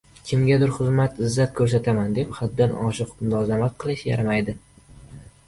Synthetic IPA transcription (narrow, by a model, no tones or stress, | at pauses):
kʲʰɪmɡʲad̪ɪɾχʊzmat̪ɪzːat̪̚kʰɵɾs̬at̪ʰamand̪e̞pχad̪ːanɒʃɨqmʊlazamat̪̚qʰɨlˠɪʃja̰ɾamajd̪ɪ